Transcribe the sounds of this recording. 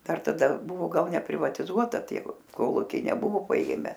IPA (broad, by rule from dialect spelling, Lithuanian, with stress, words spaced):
ˈdɐr tɐˈdɐ ˈbʊʋoː ˈɡɐlˠ nʲɛpʲrʲɪʋɐtʲɪˈzuɔtɐ ˈtʲiɛ ˈkoːlˠʊkʲɛɪ nʲɛˈbʊʋoː pɐˈeːmʲɛ